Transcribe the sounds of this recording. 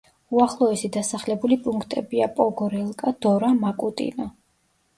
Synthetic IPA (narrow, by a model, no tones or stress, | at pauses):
uaχlˠɔɛsid̪asaχlɛbulipʼuŋkʰt̪ʼɛbiapʼɔɡɔɾɛlˠkʼad̪ɔɾamakʼut̪ʼḭnɔ